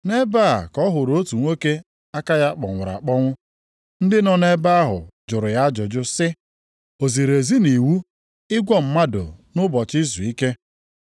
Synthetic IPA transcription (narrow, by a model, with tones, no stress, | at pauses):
ne˦ba˦˨kɔ˦ɦʊ˨ɾo˦tu˨ŋʷo˦ke˦ | a˦ka˦ja˦k͡pɔ̰˨ŋʷʊ˨ɾa̰˨k͡pɔ˦ŋʷʊ˦ | n̩˦dɪ˦nɔ˨ne˦ba˦a˦ɦʊ̰˨d͡ʒʊ˨ɾʊ˨ja˦d͡ʒʊ˨d͡ʒʊ˦sɪ˦ | o˨zi˨ɾe˨zi˦ni˨wu˦ | ɪ˦ɡʷɔ˦m̩˦ma˦do̰˨nʊ˦bɔ˨t͡ʃɪ˦zu˨i˦ke˦